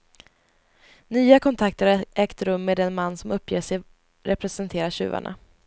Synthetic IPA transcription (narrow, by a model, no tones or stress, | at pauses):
nyːakʰɔnt̪ʰakt̪əɾɛːkt̪ɾɵmːeːd̪ɛnmanːsɔmɵpʰːjḛːʂɛj | ɾɛpɾɛsɛnt̪ʰeːɾaɕʉ̟̰ːva̰ɳa̰